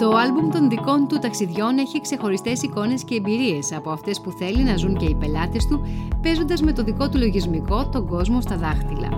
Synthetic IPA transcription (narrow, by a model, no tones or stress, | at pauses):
t̪o̞ɐlbumt̪o̞nðiko̞nt̪ut̪ɐksiðʝo̞ne̞çikse̞xo̞ɾist̪e̞siko̞ne̞sce̞ːmbiɾie̞sɐpo̞ɐft̪e̞spuθe̞linɐzuɲce̞ipe̞lɐt̪e̞st̪upe̞zo̞nd̪ɐzme̞t̪o̞ðiko̞t̪ulo̞ʝizmiko̞t̪o̞ɡo̞zmo̞st̪ɐðɐxt̪ilɐ̰